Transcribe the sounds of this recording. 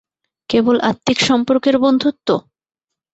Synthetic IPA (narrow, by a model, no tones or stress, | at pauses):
kebolʔa̰t̪ːikʃɔmpoɾkeɾbond̪ʱut̪ːo